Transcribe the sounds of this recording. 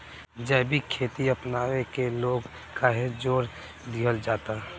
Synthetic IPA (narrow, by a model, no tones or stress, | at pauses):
d͡ʒɛːbʱikʰeːt̪iəpnaːʋekeloːɡ | kaɦed͡ʒoːɾ | d̪iɦəld͡ʒaːt̪aɦ